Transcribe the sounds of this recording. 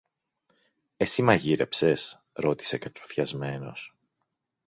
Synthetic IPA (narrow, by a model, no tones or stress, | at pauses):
e̞simɐʝiɾe̞pse̞s | ɾo̞t̪i̥se̞kɐt͡ʃofçɐzme̞no̞̰s